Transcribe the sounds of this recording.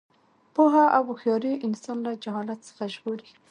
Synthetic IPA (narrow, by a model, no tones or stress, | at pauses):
poɦaʔawxjɑɾiʔɪnsɑnlad͡ʒaɦɑlat̪sə̥xaʒɣoɾi